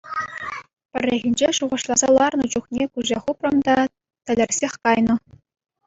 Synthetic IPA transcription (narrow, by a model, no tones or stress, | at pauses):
pʲɘ̆rʲːeɣʲinʲd͡ʑeʂuʁɤ̆ʂlˠɑzɑlˠɑrnɤ̆d͡ʑuχnʲekuʑʲeχuprɤ̆md̪ɑ | t̪ʲɘ̆lʲɘ̆rʲsʲexʲkɑjnɤ̆